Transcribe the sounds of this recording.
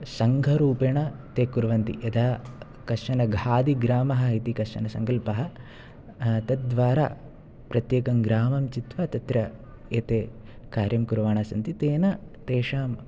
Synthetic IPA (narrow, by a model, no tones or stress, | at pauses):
sɐŋɡʱɐɾuːpɐɳɐt̪eːkuɾʋɐnt̪ḭʔed̪ʱaː | kɐʂɐnɐɡʱaːd̪iɡɾaːmɐɦɐ̆it̪ikɐʂɐ̰nɐsɐ̰ŋkɐlpɐɦɐ | t̪ɐt̪̚d̪ʋaːɾa̰ː | pɾɐt̪jeːkɐmɡɾaːmɐmt͡ʃit̪ʋɐt̪ɐt̪ɾɐ | eːt̪eː | kaːɾjɐmkuɾʋaːɳaːsɐnt̪it̪eːnɐt̪eːʂaːm